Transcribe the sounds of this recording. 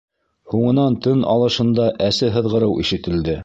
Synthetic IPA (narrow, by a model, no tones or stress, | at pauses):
huɴɤ̆nɑnt̪ɵnɑ̰lˠɤ̆ʃɤ̆nd̪ɑʔæsɘɦɤ̆ðʁɤ̆ɾɤwʔiʃɘ̆t̪ɘ̆ld̪ɘ